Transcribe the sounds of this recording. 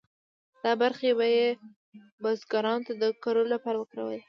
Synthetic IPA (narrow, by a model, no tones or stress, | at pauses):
d̪̥ɑbaɾxebaje | bɑzɡɑɾɑnot̪ad̪əkaɾolapɑɾawəkɾa̰wə̰l